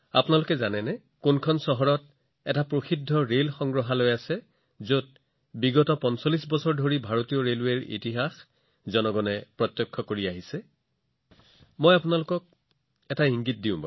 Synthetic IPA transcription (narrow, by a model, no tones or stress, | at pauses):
a̰punalʊkɛzanɛnɛ | kunkʰɔnsɔɦɔɹɔt̚ | ɛtapɹoxidʱːɔɹelxɔŋɡɹɔɦalojasɛ | zot̚ | biɡɔtɔpɔnsolisbɔsɔɹdʱoɹibʱaɹotijɔɹelweɹḭtiɦax | zɔnɔɡɔnɛpɹɔt̪jɔkʰːɔkoɹiaɦisɛ | mojapunalʊkɔk̚ | ɛtaɦiŋɡit̚diʊ̃ba̰